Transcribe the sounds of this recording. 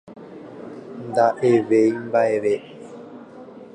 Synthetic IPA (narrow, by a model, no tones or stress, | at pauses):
nd̪aʔeʋejmbaeʋe